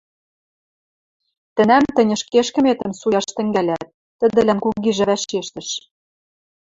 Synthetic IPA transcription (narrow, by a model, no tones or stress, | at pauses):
t̪ə̆næmt̪ə̆nʲɤ̆ʃkeʃkə̆met̪ə̆msujɑʃt̪ə̆ŋɡælʲæt̪̚ːə̆d̪ɘ̆lænkuɡiʒɘ̆βæʃeʃt̪ə̆ʃ